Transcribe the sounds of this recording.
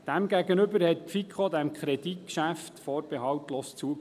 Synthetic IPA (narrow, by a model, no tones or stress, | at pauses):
d̥æmɡæɡənʏbəɾhɛt̚fikʰχod̪æmkʰχɾɛd̥itkʃæftfoːɾbɛɦɑwtloːst͡suə